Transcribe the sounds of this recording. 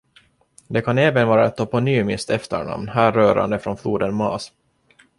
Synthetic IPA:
d̪ɛkʰaneːvənvɑːɾat̪ʰːoːpʰɔnyːmɪnst̪ɛft̪ə̰ɳa̰mnhæːɾœːɾa̰nd̪əfɾɔnfluːɖ̪ənmɑ̰ːs

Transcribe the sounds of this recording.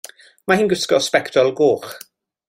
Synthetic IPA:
mahiːnɡɪskɔspɛktʰrɔlˠɡoːχ

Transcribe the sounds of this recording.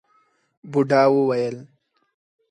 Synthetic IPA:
buɖaːwuwajəl

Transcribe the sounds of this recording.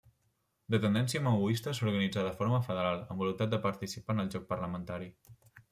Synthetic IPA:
d̪ət̪ənd̪ɛnsiəməuist̪əesuɾɣənid͡zaðəfoɾməfəðəɾalˠəmbulunt̪at̪̚d̪əpəɾt̪isipanəlˠʒɔk̚pəɾləmənt̪aɾi

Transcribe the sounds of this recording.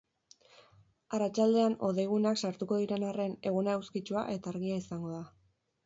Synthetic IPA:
arat͡ʃald̪e̞ano̞ð̞ejɣ̞unaksaɾt̪uko̞ðiɾe̞nare̞ne̞ɣ̞unaewskit͡ʃuaʔe̞t̪aaːɾɣ̞iaisaŋɡo̞ða

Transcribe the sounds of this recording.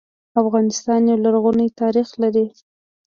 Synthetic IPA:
afɣɑnɪst̪ɑnjawlaɾɣʊnəjt̪ɑɾixlaɾi

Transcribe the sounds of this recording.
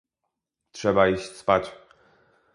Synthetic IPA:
tʂɛbaiɕt͡ɕʲspat͡ɕ

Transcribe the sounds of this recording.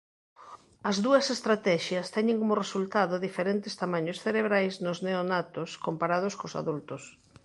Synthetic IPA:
ɐzðuɐsest̪ɾat̪ɛʃjɐst̪ɛɲẽŋkomoresult̪aðʊðifeɾent̪ɪst̪amãɲosθeɾeβɾajznozneonat̪oskompaɾað̞ʊskosa̰ðult̪ʊs

